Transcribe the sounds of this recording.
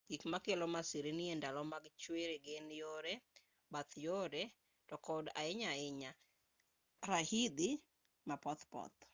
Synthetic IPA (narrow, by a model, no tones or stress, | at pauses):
ɡ̥ikmakelomasiɾenɪendalɔmaɡt͡ʃweɾeɡenjoɾe | bat̪joɾe | tɔkɔda̰ɪɲaɪɲa | ɾahid̪i | mapɔt̪pɔ̰t̪